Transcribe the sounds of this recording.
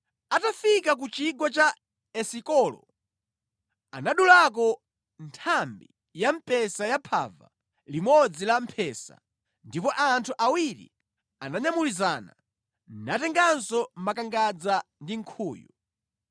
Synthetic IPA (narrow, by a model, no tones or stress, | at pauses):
atafikak̬ut͡ʃiɡɔt͡ʃa | ɛsikɔlɔ̰ | anaɗulak̬ɔ | ntʰambi | jam̩pɛsajapʰa̰va̰ | limɔd͡zilam̩pʰɛsa̰ | ndipɔʔantʰuʔawiɾḭ | anaɲamulizaːna̰ | natɛŋɡansɔmakaŋɡad͡zandiŋ̩kʰuːjṵ